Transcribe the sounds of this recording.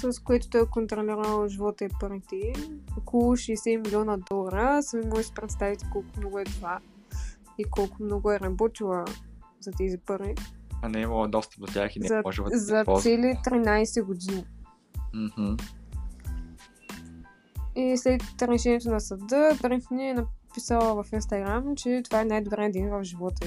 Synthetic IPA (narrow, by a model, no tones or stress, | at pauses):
sɐskoɛt̪ʊ̥t̪ɔjɛkont̪ɾoliɾəlˠʒivɔt̪ɛpəɾit̪ɛokolˠʊʃɛːsɛmilʲɔnɐd̪ɔlˠɐɾəsəmimoɡəsi̥pɾɛt̪st̪avit̪ɛ̥kɔlˠkʊmnɔɡʊɛt̪ova | ikɔlˠkʊmnɔɡʊɛɾɐbɔt̪ilˠəzɐt̪ɛzipəɾiɐnɛiməlˠəd̪ɔst̪ə̥p̚d̪ot̪ʲjaxinɛzɐʒɛzɐsɛlit̪ɾinajsɛɡod̪ini | m̩h̩ | islɛt̪ɾɛʃɛniɛt̪onɐsɐd̪əbɾɛnt̪niɛnɐpisəlˠəvɐfinst̪ɐɡɾamt͡ʃɛt̪ovaɛnajd̪ʊbɾɛd̪invɐfʒivɔt̪ə